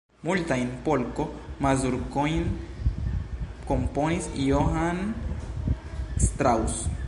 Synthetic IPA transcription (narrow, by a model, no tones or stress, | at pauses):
mult̪ajnpolkomazuɾkojn | komponisioɦan | st̪ɾaws